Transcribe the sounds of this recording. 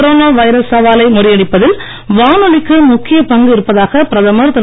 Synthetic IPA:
ɾoːnaːʋɐɪɾɐsːɐʋaːlɐɪmʊrɪjɐɽɪpːɐðɪl | ʋaːnɯɭɪkːɯmʊkːɪjɐpɐŋɡɯɪɾɯpːɐðaːɣɐpɪɾɐðɐmɐɾt̪ɐ

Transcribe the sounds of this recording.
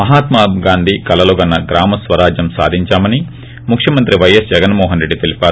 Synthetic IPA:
mɐɦaːt̪maːɡaːnd̪ʱikɐlɐloːɡɐnːɐɡɾaːmɐsʋɐɾaːd͡ʒjɐmsa̰ːd̪ʱiɲt͡ʃaːmɐni | mukʰʂjɐmɐnt̪ɾiʋɐjɐsd͡ʒɛɡɐnmɔːɦɐnɾe̞ɖːit̪elipʲaːɾ

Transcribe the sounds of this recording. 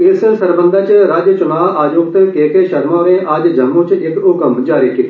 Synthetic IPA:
ɪssɐɾbə̃nd̪ʱat͡ʃɾaːd͡ʒət͡ʃʊnaːʋʔaːjukt̪keːkeʃɐɾmaːʋẽʔaːd͡ʒd͡ʒɐmũt͡ʃekʊkəmd͡ʒaːɾiki

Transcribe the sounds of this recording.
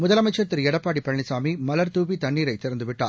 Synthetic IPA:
mʊðɐlɐmɐɪt͡ʃːɐɾt̪ːɪɾɛɽɐpːaːɽipɐɐɳɪsaːmimɐlɐɾt̪uːʋit̪ɐɳːiːɾɐɪt̪ːɪɾɐnd̪ɯʋɪʈːa̰ː

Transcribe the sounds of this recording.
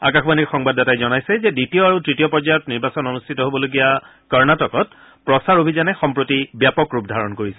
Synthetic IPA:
a̰kaxbaniɹxɔŋbadatajzɔnajsɛzɛditijɔaɹutɹitijɔpɔɹzajɔtniɹbasɔnonustʰitɔɦobɔloɡija | kɔɹnatɔkɔt | pɹɔsaɹobʱizanɛxɔmpɹotibjapɔkɹupdʱaɹɔnkoɹisɛ

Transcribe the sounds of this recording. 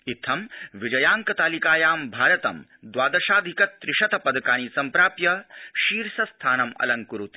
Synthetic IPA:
it̪ʰːɐmʋid͡ʒɐjaːŋkɐt̪aːlikaːjaːmbʱaːɾɐt̪ɐ̰m | d̪waːd̪ɐʃaːd̪ʱikɐt̪ːɾɪʃɐt̪ɐpɐd̪kaːniːsɐmpɾaːpjɐʃiːɾsɐst̪ʰaːnɐmɐ̰lɐŋkuɾut̪i̥

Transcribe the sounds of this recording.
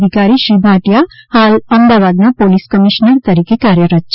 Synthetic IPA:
ɪkaːɾiʃɾiːbʱaːʈijahaːlɐ̃md̪aːʋaːd̪napoːliskəmɪʃnəɾt̪ɐɾiːkekaːɾjəɾət̪ːt͡ʃ

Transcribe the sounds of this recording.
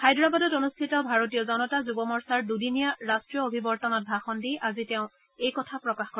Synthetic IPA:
xajdɹabɔdɔtonustʰitɔbʱaɹotijɔzɔnɔtazubɔmɔɹsaɹdudinijaɹastɹijɔobʱibɔɹtɔnɔt̚bʱaxɔndiʔaziteʊ̃ | ejkɔtʰapɹɔkaxko

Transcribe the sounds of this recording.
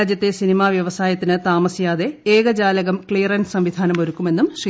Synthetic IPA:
d͡ʑjɐt̪ːesinimaːʋjɐʋɐsaːjɐt̪ːinɨt̪aːmɐsijaːðe̞eːɣɐd͡ʑaːlɐɣɐmkɭijrɐnsɐmʋid̪ʱaːnɐmo̞ɾukːume̞nːumʂi

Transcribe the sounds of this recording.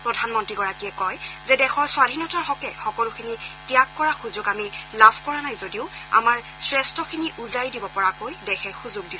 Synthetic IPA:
pɹɔdʱanmɔntɹiɡɔɹakiɛkɔjzɛdɛxɔɹswadʱinɔtaɹɦɔkɛxɔkɔlukʰinitijakːɔɹaxuzʊɡamilabʰʱkɔɹanajzodiʊa̰maɹ | sɹɛstɔkʰiniʔuzaɹidibɔpɔɹakojdɛxɛxuzʊɡ̚dis

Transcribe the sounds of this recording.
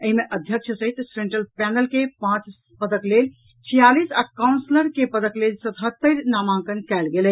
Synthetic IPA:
əɦimeʔəd̪ʱjəkt͡ʃʰəsəɦit̪sɾẽɳʈəlpɛnəlkepãt͡ʃ | pəd̪əklel | t͡ʃʰijalisakawnsləɾkepəd̪əklelsət̪ɦət̪ːəɾnamãkənkɛlɡelə

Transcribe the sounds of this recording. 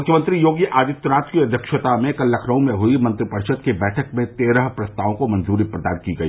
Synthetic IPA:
mʊkʰjəmə̃nt̪ɾijoːɡjəʔaːd̪ɪt̪ːʊɾãːt̪kiɐd̪ʱjəkʃət̪amẽkɐlːɐkʰɾəũmẽɦʊimɐ̃nt̪ɾipɐɾʃəd̪̚kebɛːʈʰəkmẽt̪eːɾəɦpɾɐst̪aːʋõkomɐ̃nzuːɾipɾɐd̪aːnkiɡɐḭː

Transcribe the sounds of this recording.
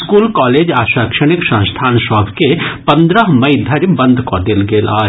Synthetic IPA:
skuːlkɔːleːd͡ʒaːʃaːkʃəɽ̃ɪksə̃st̪ʰaːnʃɔːɡkepə̃nd̪ɾəɦmɐɪd̪ʱɐɾbə̃nd̪ʱkod̪elɡeːla̰ːe

